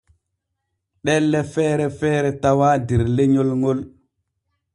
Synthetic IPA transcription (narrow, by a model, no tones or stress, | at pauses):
ɗɛlːɛfɛːɾɛfɛːɾɛtawaːdɛɾleɲolŋɔl